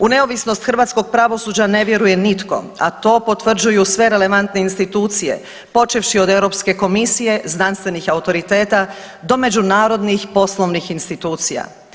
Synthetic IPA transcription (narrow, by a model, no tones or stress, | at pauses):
une̞o̞ʋisno̞st̪xɾrʋaːt̪sko̞ɡ̚pɾaʋo̞suːd͡ʑane̞ʋje̞ɾuje̞nit̪ko̞̰ | a̰t̪o̞ːpo̞t̪ʋr̩d͡ʑujusʋe̞ɾe̞le̞ʋant̪neinst̪it̪uːt̪sije̞̰ | po̞t͡ʃefʃio̞d̪ewɾo̞pske̞ko̞misije̞znanst̪ʋe̞nixaut̪o̞ɾit̪e̞ːt̪a | d̪o̞me̞d͡ʑunaːɾo̞d̪nixpo̞sloʋnixinst̪it̪uːt̪sija̰